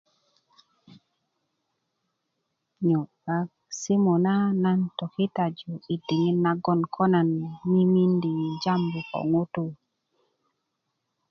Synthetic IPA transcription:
ɲɔ˨ | a˨k | si˦mo˨na˦na˦ntɔ˨ki˦ta˨d͡ʒu˨i˨ti˨ŋi˦na˦ɡɔ˦˨nkʰɔ˦na˨nmi˦mi˦ndi˨d͡ʒa˦mbo˨kɔ̰˨ŋo˦tu˦

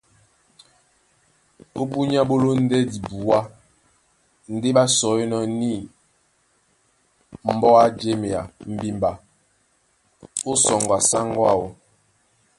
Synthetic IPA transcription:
o˦bu˦ɲ˦a˦bo˦lo˦n̩˦dɛ˦di˨bu˨wa˦ | n̩˦de˦ɓa˦sɔ˨˦e˦nɔ˦ni˦˨ | m̩˦bɔ˦a˦d͡ʒe˦me˨a˨m̩˨bi˦mba˨ | o˦sɔ˨ŋɡwa˨sa˦ŋ˦ɡwa̰˦˨wo˨

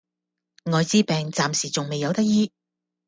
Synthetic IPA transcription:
ŋɔː˨˧jt͡siː˥pɛː˨˧ŋt͡saː˨msiː˨˩t͡sʊ˨ŋme˨jɐ˨˧wt̪ɐ˥k̚jiː˥

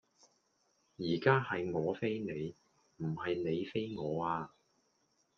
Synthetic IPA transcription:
jiː˨˩kaː˥hɐ˨jŋɔː˨˧fe˥jne˨˧j | m̩˨˩hɐ˨jne˨˧jfe˥jŋɔː˨˧aː˧

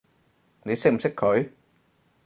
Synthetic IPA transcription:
ni˨˦se˦˥˨m˨se˦˥kkʰːo˨˦j

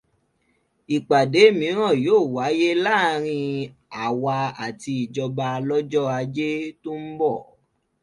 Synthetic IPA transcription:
i˨k͡pa˨de˨˦mĩ˨˦ɾ̃ã˦˨joː˦˨wa˨˦je˦la˦˨˧ɾ̃ĩ˧ | a˨wa˧a˨ti˧i˨d͡ʒɔ˧ba˧lɔ˦d͡ʒɔ˦a˧d͡ʒe˦tu˦m̩˦bɔ˦˨

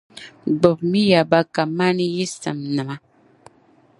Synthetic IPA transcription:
ɡ͡bɔ˨p̚mi˦ja˨ba˦ka˨ma˦ni˦ji˦sə̰˨mnə˨ma˦

